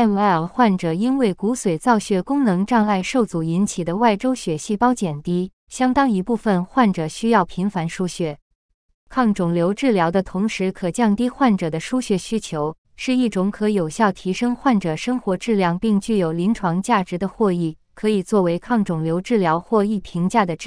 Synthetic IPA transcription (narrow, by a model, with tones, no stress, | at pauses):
ɛ˥˧nwa˥ɪə˨˩xwa˥˩nʈ͡ʂɤ˨˩i˥nwe˥˩ɪku˧˥swe˨˩ɪt͡sɑ˥˧ʊɕɥɛ˥˧˩kʊ˥ŋnɤ˧˥ŋʈ͡ʂɑ˥˧ŋa˥˧ɪʂo˥˩ʊt͡su˨˩i˧˥nt͡ɕʰi˨˩d̪ə˦wa˥˩ɪʈ͡ʂo˥ʊɕɥɛ˨˩ɕi˥˩pɑ˥ʊt͡ɕjɛ˨˩nt̪i˥ | ɕjɑ˥ŋt̪ɑ˥ŋi˧˥pu˥˩fə˧nxwa˥˩nʈ͡ʂɤ˨˩ɕy˥jɑ˥˩ʊpʰi˧˥nfa˧˥nʂu˥ɕɥɛ˥˩ | kʰɑ˥˩ŋʈ͡ʂʊ˨˩ŋljo˧˥ʊʈ͡ʂɻ̩˥˩ljɑ˧˥ʊd̪ə˧t̪ʰʊ˧˥ŋʂɻ̩˧˥kʰɤ˨˩t͡ɕjɑ˥˩ŋt̪i˥xwa˥˩nʈ͡ʂɤ˨˩d̪ə˦ʂu˥ɕɥɛ˥˩ɕy˥t͡ɕʰjo˧˥ʊ | ʂɻ̩˥˧i˥˩ʈ͡ʂʊ˧˥ŋkʰɤ˧˥jo˨˩ʊɕjɑ˥˩ʊt̪ʰi˧˥ʂɤ˥ŋxwa˥˩nʈ͡ʂɤ˨˩ʂɤ˥ŋxwɔ˧˥ʈ͡ʂɻ̩˥˧ljɑ˥˧ŋpi˥˧ŋt͡ɕy˥˩jo˨˩ʊli˧˥nʈ͡ʂʰwɑ˧˥ŋt͡ɕja˥˩ʈ͡ʂɻ̩˧˥d̪ə˧xwɔ˥˧i˥˩ | kʰɤ˧˥i˨˩t͡swɔ˥˩we˧˥ɪkʰɑ˥˩ŋʈ͡ʂʊ˨˩ŋljo˧˥ʊʈ͡ʂɻ̩˥˩ljɑ˧˥ʊxwɔ˥˧i˥˩p̪ʰi˧˥ŋt͡ɕja˥˩d̪ə˩ʈ͡ʂ